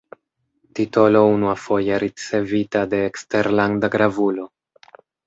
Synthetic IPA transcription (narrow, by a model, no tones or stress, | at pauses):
tito̞lo̞unuafo̞jeɾit͡se̞vitade̞ːkste̞ɾlandaɡɾavulo̞